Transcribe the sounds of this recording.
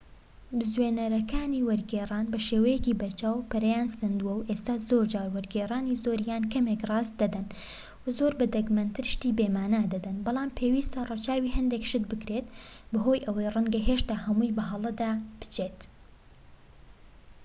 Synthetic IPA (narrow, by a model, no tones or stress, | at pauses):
bɨzwenɐɾɐkaːniːwɐɾɡeːrˤaːnbɐʃeːwɐjɛciːbɐɾt͡ʃaːwpɐɾɛjaːnsɐnd̪uwɐwʔest̪aːzoːɾd͡ʒaːɾwɐɾɡeːraːniːzoːɾjaːnkɐmekrˤɑːzd̪ɐd̪ɐn | wɐzoːɾbɐd̪ɐkmɐnt̪ʰɨɾʃt̪iːbeːmaːnad̪ɐd̪ɐnbɑlˠɑːmpʰeːwist̪ɐrot͡ʃaːwiːɦɐnd̪ekʃɨd̪bɨkɾeːt̪bɐɦo̞ːjʔɐwɐjrɨŋɡɐɦeʃt̪aːhɐmuːjbɐɦɐlˠɐd̪aːb̥ɨ̥t͡ʃʰet̪